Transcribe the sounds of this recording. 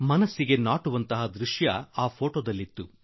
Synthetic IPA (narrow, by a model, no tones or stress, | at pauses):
mɐnɐsːiɡe̞naːʈuʋɐnt̪ɐɦɐd̪ɾuʂjɐaːpʰo̞ːʈoːd̪ɐlːit̪ːu